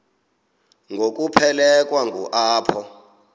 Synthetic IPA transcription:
ŋɡʱok̬ʼupʰɛlɛk̬ʼwaŋɡṵʔaːpʰɔ

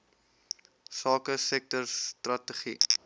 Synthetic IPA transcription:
sɑːkəsɛk̚tɔrstrɐtəχi

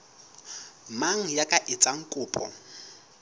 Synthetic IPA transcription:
maŋ̩jakʼaʔɪt͡sʼaŋ̩kʼʊːpʼɔ̰

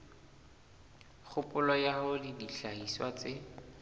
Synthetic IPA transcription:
χʊpʼʊlɔjahʊdidiɬaiswat͡sɪ

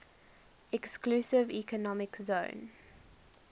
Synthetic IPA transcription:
ɛkskluːsɪvikənɔmɪkzõʊ̃n

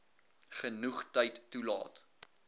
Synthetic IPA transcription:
χənuχtəjtːulɑ̰ːt

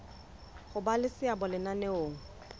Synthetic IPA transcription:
χʊbalɪsɪabʊlɪnanɛoːŋ̩

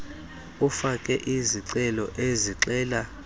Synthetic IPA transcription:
ufakʼɛʔiziǀɛlɔʔeziǁɛːla

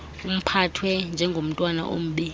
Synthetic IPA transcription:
um̩pʰatʰwɛnd͡ʒʱɛŋɡʱom̩tʼwana̰ʔo̰m̩ɓi

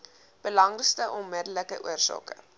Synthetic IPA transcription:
b̥əlɐŋrəstəʔɔnmɪdələkəʔuərsɑ̰ːkə̰

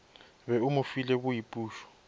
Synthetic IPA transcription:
βɛumufilɛk̬ujipʼuːʃɔ̥

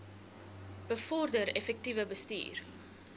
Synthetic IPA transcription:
b̥əfɔrdəɾɛfɛk̚tivəbəstḭːr

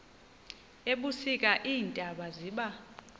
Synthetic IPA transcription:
eɓusik̬ʼaʔiːntʼaɓaziːɓa

